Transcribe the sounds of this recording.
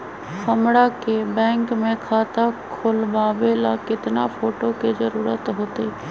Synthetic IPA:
kəmɽakebɛ̃ːŋkmẽkʰaːt̪akʰʊlbaːʋelakɪt̪napoːʈokezəɾuːɾət̪ɦoːt̪eː

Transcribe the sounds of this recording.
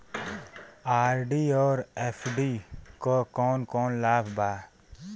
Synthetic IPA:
aːɾɖiːɔːɾeːpʰɖiːkokɔːnkɔːnlaːpʰbaː

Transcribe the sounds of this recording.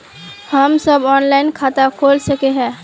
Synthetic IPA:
həmsəbɔːnlaɪnkʰat̪akʰolsəkeɦɛ̃ː

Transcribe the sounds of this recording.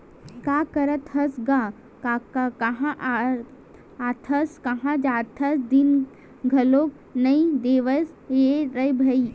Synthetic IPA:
kakəɾət̪ɦɐsɡa | kakakɐɦãʔ | at̪ʰəskɐɦãd͡ʒaːt̪ʰəsd̪in | ɡʱɐloːk̚ | nɐĩd̪eːʋəs | eɾəjbʱɐi

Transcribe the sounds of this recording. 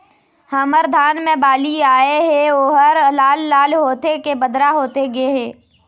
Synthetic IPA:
hɐməɾd̪ʱaːnmẽbaːliaːeɦɛ̃oːɦəɾlaːlːaːlɦoːt̪ekebəd̪ɾaɦoːt̪eɡeɦɛ̃ː

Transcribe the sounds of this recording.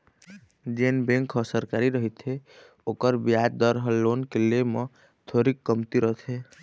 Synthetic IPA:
d͡ʒenbẽŋkɔsəɾkaɾiɾəɦit̪ʰe | okəɾbijad̪d̪əɾɦəlːonkelemə | t̪ʰoɾikːəmt̪iɾət̪ʰe

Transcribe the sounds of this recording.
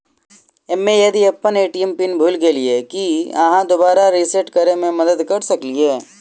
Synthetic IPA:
ɪmːẽjɐd̪iɐpːəneːʈiɛmpinbʱuːlɡeliekiɐ̰ɦãd̪obaːɾaɾiseʈkəɾemẽmɐd̪əd̪kɐɾsɐklieː

